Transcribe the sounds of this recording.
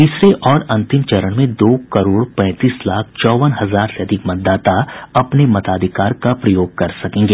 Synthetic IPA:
t̪iːsɾeʔɔːɾɐ̃nt̪ɪmt͡ʃɐɾəɽ̃mẽd̪oːkɐɾoːɽpɛ̃ːt̪iːslaːk̚ʰt͡ʃɔːʋənɦɐzaːɾseɐd̪ʱɪkmɐt̪̚d̪ːaːt̪aɐpnemɐt̪aːd̪ʱɪkaːɾkapɾɐjoːɡ̚kɐɾsɐkẽːŋɡeː

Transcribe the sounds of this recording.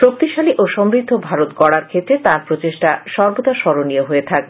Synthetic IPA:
ʃok̚t̪iʃaliʔoʃɔmɾid̪ʱːobʱaɾot̪ɡɔɽaɾkʰet̪ːɾet̪ãɾpɾot͡ɕeʃʈaʃɔɾbot̪aʃɔɾonioɦoet̪ʰak̚

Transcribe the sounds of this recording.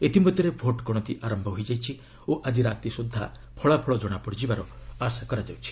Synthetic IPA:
et̪imɔd̪ʱjɔɾebʱoʈkɔɽ̃ɔt̪iʔaɾɔmbʱɔɦojd͡ʒajt͡ʃʰi | oʔad͡ʒiɾat̪isud̪ʱːa̰ | pʰɔɭapʰɔɭɔd͡ʒɔɽ̃apɔɽid͡ʒibaɾɔasakɔɾad͡ʒawt͡ʃʰi̥

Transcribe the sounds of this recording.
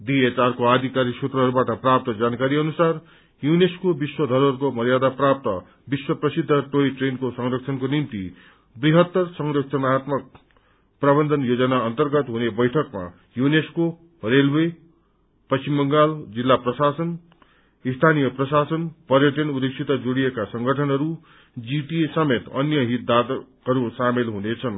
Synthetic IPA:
d̪iet͡sarkoad̪ʱikaɾisut̪rʌɦʌɾubaʈʌprap̚t̪ʌd͡zankaɾiʌnusar | juneskobiswʌd̪ʱʌɾʌrkomʌɾjad̪aprap̚t̪ʌ | biswʌprʌsid̪ʱːʌʈojʈrenkosʌŋrʌkt͡sʰʌnkonimt̪ḭ | briɦʌt̪ːʌrsʌŋrʌk̚t͡sʰʌnat̪mʌk̚ | prʌbʌnd̪ʱʌnjod͡zʌnaʌnt̪ʌrɡʌt̪ɦunebʌjʈʰʌkma̰ | junesko | relwe | pʌst͡ʃimbʌŋɡald͡zilːaprʌsasʌn | ist̪ʰanijʌprʌsasʌnpʌɾjʌʈʌnud̪eksʰit̪ːʌd͡zoɽijekasʌŋɡʱʌʈʰʌnɦʌɾu | d͡ziʈiesʌmet̪ʌ̰njʌɦit̪̚d̪a | ʌɾusamelɦunet͡sʰʌn

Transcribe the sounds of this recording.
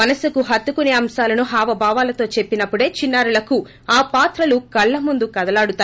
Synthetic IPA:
mɐnɐsukuɦɐt̪ːukuneːɐmsaːlɐnuɦaːʋɐbʱaːʋaːlɐt̪o̞ːt͡ʃe̞pːinɐpːuɽe̞ːt͡ʃinːaːɾulɐku | aːpaːt̪ɾɐlukɐɭːɐmund̪ukɐd̪ɐlaːɽut̪aː

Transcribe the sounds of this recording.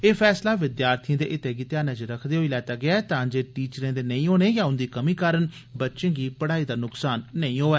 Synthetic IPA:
eːpʰɛːslaːʋɪd̪jaːɾt̪ʰijãːd̪eːʔɪt̪eːɡɪt̪eaːnãːt͡ʃɾəkʰd̪eːɦoːiːlɛːt̪aːɡɪaːɛːt̪ãːd͡ʒeːʈiːt͡ʃɾẽːd̪eːnəĩːɦoːneːjãːʊnd̪iːkəmiːkaːɾən | bətːʃẽːɡiːpəɽaːiːd̪aːnʊksaːnːəĩːɦoːɛː

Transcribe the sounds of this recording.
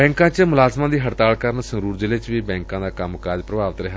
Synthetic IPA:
ɛ̃ːŋkãːt͡ʃəmʊlaːzmãːd̪iːɦəɾt̪aːɭkəɾnsəŋɾuːɾd͡ʒɪlet͡ʃʋiːbɛ̃ːŋkãːd̪aːkəmkaːɾd͡ʒpɾəbaːʋət̪ɾɪɦa

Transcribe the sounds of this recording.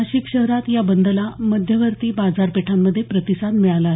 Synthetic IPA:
aɕikɕəɦɾat̪jabənd̪əlaməd̪ʱjəʋəɾt̪iːbad͡zaɾpeʈʰamːəd̪ʱːjepɾət̪isad̪mɛɭalaɦe

